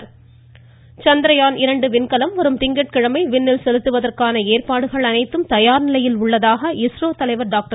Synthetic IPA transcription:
t͡ʃɐnd̪ɾɐjaːnɪɾɐɳɖɯʋɪnkɐlɐmʋɐɾɯmt̪ɪŋɡɐʈ̚kɪɻɐmɐɪʋɪnːɪlsɛlɯt̪ːɯʋɐðɐrkaːnɐeːrpaːɽɯɣɐɭɐnɐɪt̪ːɯmt̪ɐjaːɾnɪlɐjɪlʊɭːɐðaːɣɐɪsɾoːt̪ɐlɐɪʋɐɾɖaːk̚ʈɐ

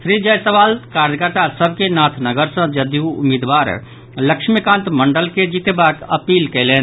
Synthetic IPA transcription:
sɾid͡ʒəjsəʋaːlkaːɾjəkəɾt̪asəbʱkenaːt̪ʰnəɡəɾsə̃d͡ʒəd̪juʊ̰miːd̪ʋaːɾ | ləkʃʰmikãːnt̪mə̃ɳɖəlked͡ʒit̪ebaːkəpiːlkɛleː

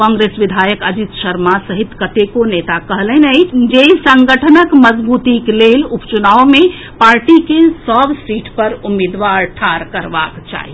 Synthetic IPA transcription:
kɔ̃ŋɡɾesʋid̪ʱajəkəd͡ʒit̪ʃəɾmasəɦit̪kət̪ekonet̪akəɦlɛnəjd͡ʒesəŋɡəʈʰənəkməd͡ʒbut̪iklelupt͡ʃunawmẽ | paɾʈikesəbʱsiʈʰpəɾumed̪ʋaɾʈʰaɾkəɾʋa̰kt͡ʃa̰ɦḭ

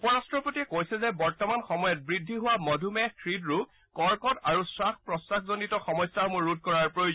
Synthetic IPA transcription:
upɔɹastɹɔpotiɛkojsɛzɛbɔɹtɔmanxɔmɔjɔt̚bɹidʱːiɦʊwamɔdʱumɛkʰɹidɹu | kɔɹkɔtaɹusaxʰpɹɔsakzonitɔxɔmɔjsaɹmʊɹːud̚ʱkɔɹaɹpɹojo

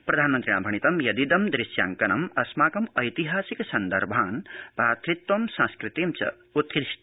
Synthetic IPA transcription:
pɾɐd̪ʱaːnmɐnt̪ɾiã̰ːbʱɐñit̪ɐmjɐd̪id̪ɐmd̪ɾisja̰ːŋkɐnɐmɐsmaːkɐmɐjt̪iɦaːsiksɐnd̪ɐ̰ɾbʱaːnbaːt̪ɾit̪wɐmsãskɾit̪imt͡ʃɐ̰ | ut̪kis

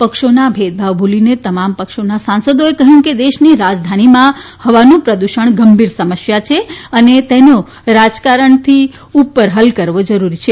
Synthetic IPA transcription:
pəkʃonabʱet̪̚bʱaʋbʱulinet̪əmampəkʃonasãnsəd̪oekəɦjũked̪eʃniɾad͡ʒd̪ʱanimãhəʋanũpɾəd̪uʃəɳɡəmbʱiɾsəməʃjat͡ʃʰeənet̪eno | ɾad͡ʒkaɾəɳt̪ʰi | upːəɾɦəlkəɾʋod͡ʒəɾuɾit͡ʃʰe

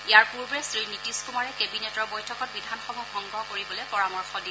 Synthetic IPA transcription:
ijaɹpuɹbɛsɹinitiskumaɹɛkebinetɔɹbojtʰɔkɔt̚bidʱanxɔmuɡɔŋɡɹɔɦɔkoɹibɔlɛpɔɹamɔɹxɔdi

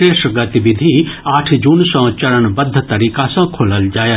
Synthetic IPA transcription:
eːʃɡɐt̪iʋɪd̪ʱiaːʈʰd͡ʒuːnsãːt͡ʃɐɾəɳ̃bɐd̪ʱːət̪ɐɾiːkasãkʰoːləld͡ʒaːje

